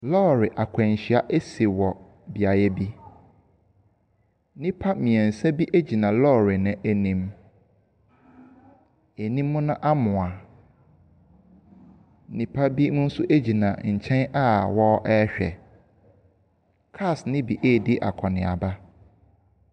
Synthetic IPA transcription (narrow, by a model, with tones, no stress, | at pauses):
lɔː˦ɾɪ˨ʔa˨kʷʰɛ̃˨ɲ˨ɕɪ˨a˦ʔe˦si˨wɔ˨ | bi˨a˨jɛ˦bi˦ | nĩ˦pʰa˦mĩ˨ɛ̃˨n̩˨sɛ˦bi˦ʔæ˦d͡ʑi˨nã˨lɔː˦ɾɪ˨nɪ̃˨ʔæ˦nĩ˦m | e˨nĩ˦mːʊ̃˦nʊ̃˦ʔa˦mʊ̃˨a˨˦ | nĩ˦pʰa˦bi˦mʊ̃˦n̩˦sʊ˦ʔe˦d͡ʑi˨nã̰˨ɲ̩˨t͡ɕʰɛ̃˦na˦wɔ˦ʔɛ˦ɕᶣɛ̰˨ | kʰa˦˨snɪ̃˦bi˨ʔeː˦˨di˦ʔa̰˨kʰɔ˨nɪ̃˨a̰˨ba˦